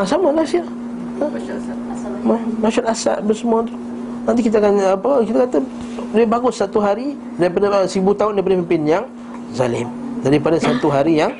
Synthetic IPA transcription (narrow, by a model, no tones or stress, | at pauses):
asamalasia | mamaʃalasa̰ʔ̚bəsəmuat̪ʊ | nant̪̬ikit̪akanapəkit̪akat̪a | dibaɡʊsːat̪uɦaɾi | daɾipadasibut̪aʊndaipadapimpɪnjaŋ | za̰lɪ̰mdaɾipadasat̪uɦaɾijaŋ